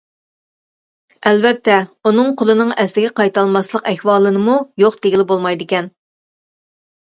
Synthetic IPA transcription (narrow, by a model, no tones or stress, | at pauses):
ɛlvɛt̪ʰːɛunɨŋqʰolˠɨnɨŋɛslɪɡʲɛqʰɑjt̪ɑlˠmɑslˠəqɛhwɑːlˠɨnɨmujoqt̪eɡʲilɪbolˠmɑjd̪ɪkʲɛn